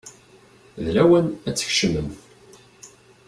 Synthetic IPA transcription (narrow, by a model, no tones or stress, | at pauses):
ðlæwənæt͡sːə̥çʃəməmθ